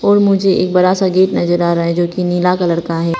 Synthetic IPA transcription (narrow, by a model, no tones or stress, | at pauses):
ɔːɾmʊd͡ʒʱeʔḛːk̚bɐɾasaɡeːʈnɐzəɾaːɾaaɦɛ̃d͡ʒoːkiniːlakɐləɾkaɦɛː